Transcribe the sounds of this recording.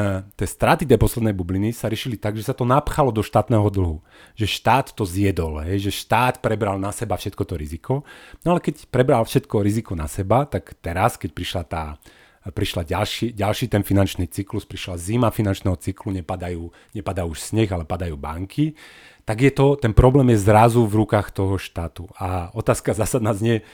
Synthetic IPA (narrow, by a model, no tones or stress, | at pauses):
t̪ɪɛːst̪ɾaːt̪it̪ɛjpɔslɛd̪nɛjbublinisaɾɪɛʃilit̪aɡʒɛsat̪ɔnapxalɔd̪ɔʃt̪aːt̪nɛːɦɔd̪l̩ɦu | ʒɛʃt̪aːt̪ːɔzjɛd̪ɔlɦɛjʒɛʃt̪aːt̪pɾɛbɾalnasɛbafʃɛt̪kɔt̪ɔɾizikɔnɔalɛkɛcpɾɛbɾalfʃɛt̪kɔɾizikɔnasɛbat̪akt̪ɛɾaskɛc̚pɾiʃlat̪aː | pɾiʃlaɟalʃiːɟalʃiːt̪ɛnfinant͡ʃniːt͡sikluspɾiʃlazimafinant͡ʃnɛːɦɔt͡sikluɲɛpad̪ajuː | ɲɛpad̪auʃsɲɛɣalɛpad̪ajuːba̰ŋkʰi | t̪aɡjɛt̪ɔt̪ɛnpɾɔblɛːmjɛzɾazuvɾukaːxt̪ɔɦɔʃt̪aːt̪uaɔt̪aːskazaːsad̪naːzɲɪɛ